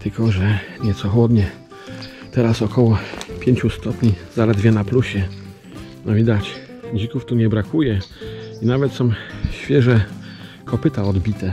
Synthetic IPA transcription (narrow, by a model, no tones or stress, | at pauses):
t̪ɘlkɔʐɛɲɛt̪sɔxwɔd̪ɲɛ | t̪ɛɾasɔkɔwɔpʲjeɲt͡ɕust̪ɔpɲizalɛd̪vʲjɛnapluɕɛ | nɔvʲid̪at͡ɕ | d͡ʑikuft̪uɲɛbɾakujɛinavɛt̪sɔ̃m̃ɕfʲjɛʐɛ | kʰɔpɘt̪aɔd̪bʲit̪ɛ